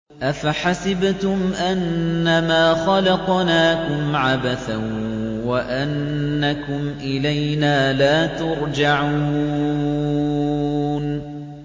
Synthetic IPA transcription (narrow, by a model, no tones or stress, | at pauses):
ʔafaħasɪbt̪ʊmʔanːamaːxɑlɑqnaːkʊmʕabaθawaʔanː | akʊmʔɪlajnaːlaːt̪ʊɾd͡ʒaʕuː | n